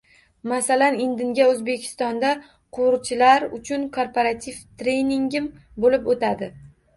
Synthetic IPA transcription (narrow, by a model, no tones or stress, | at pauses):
masalanɪnd̪ɪŋɡʲaɵzbe̞kʲʰɪ̥st̪ɒnd̪a | qʰʊwʊɾt͡ʃʰɪlaɾʊt͡ʃʰʊnkʰoɾpʰoɾat̪ʰivt̪ɾe̞jniŋɡʲɪm | bolɪpot̪ad̪ɪ